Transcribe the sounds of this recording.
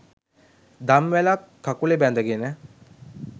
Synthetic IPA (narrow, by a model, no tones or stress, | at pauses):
d̪amʋelakʰːakulebɛnd̪əɡenə